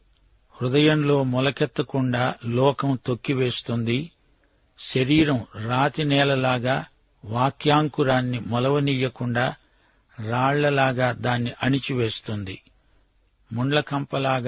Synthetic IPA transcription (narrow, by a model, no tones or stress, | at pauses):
hɾud̪ɐjɐmlo̞ːmɔlɐkɛt̪ːɐkuɳɖaːlɔːkɐmt̪okːiʋe̞ːst̪und̪i | ʃɐɾiːɾɐmɾaːt̪inɛːlɐlaːɡaː | ʋaːkjaːŋkuɾaːnːimɔlɐʋɐnijɐkuɳɖaː | ɾaːɭlɐlaːɡaːd̪aːnːiʔɐɳit͡ʃiʋe̞ːst̪und̪ḭ | muɳɖlɐkɐmpɐlaːɡ